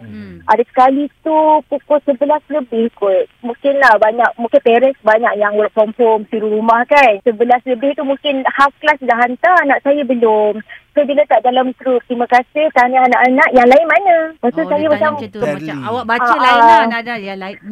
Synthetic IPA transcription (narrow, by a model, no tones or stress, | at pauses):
ʔadasə̥kalit̪upukʊsəbəlasləbɪhkʊt̪̚mũŋkɪnlahbaɲak̚mũŋkɪnpɛɾənsbaɲakjaŋwʔkɔmfɔmsiɾuɾumahkansəbəlasləbɪht̪umũŋkɪnhafklasdaɦant̪anaʔsajabəlʊmsabilat̪aʔdalamɡɾup̚t̪ɾimãkasɪht̪anaanaʔanãʔjaŋlaɪnmanə̃mat̪usajamat͡ʃam | aa